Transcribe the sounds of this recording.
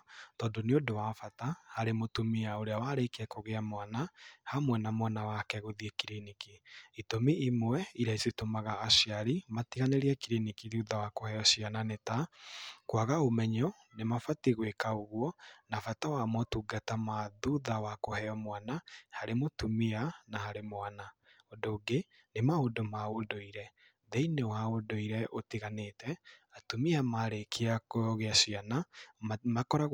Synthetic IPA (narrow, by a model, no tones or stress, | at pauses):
tɔːndoneodowafatahaɾemotumiaoɾeawaɾekɛkoɣeamwanahamwɛnamwanawakɛɣoðiekiɾinikiitomiimwɛiɾaisetomaɣaːʃiaɾimatiɣaneɾiɛkiɾinikiðuðawakohɛɔʃiananetakwaɣaomɛɲɔ | nemafatiɣwekaoɣwɔnafatawamɔtuɡatamaðuðawakohɛɔmwanahaɾemotumianahaɾemwana | ɔdoːɡe | nemaodɔmaodoiɾɛ | ðɛinewaodoiɾɛʔotiɣanetɛatumiamaɾekʰeakɔɔɣeasianamakɔɾa